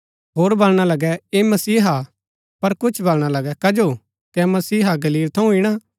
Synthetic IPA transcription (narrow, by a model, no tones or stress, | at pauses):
ɦoːɾbɐlɽ̃alɐɡɛeːmɐsiːɦa | pɐɾkʊt͡ʃʰbɐlɽ̃alɐɡɛkɐd͡ʒoː | kɛmɐsiːɦaɡɐliːlt̪ʰɐũɪɽ̃a